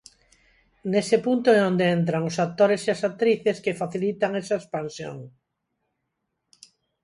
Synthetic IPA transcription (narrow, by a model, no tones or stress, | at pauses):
nesɪpunt̪oeond̪eent̪ɾaŋʊsat̪oɾesiasak̚t̪ɾiθeskefaθilit̪aŋesaespansjo̰ŋ